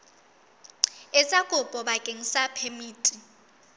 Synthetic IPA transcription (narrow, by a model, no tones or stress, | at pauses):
ɛsʼakʼʊpʼɔɓakʼeŋ̩sapʰemiːtʼi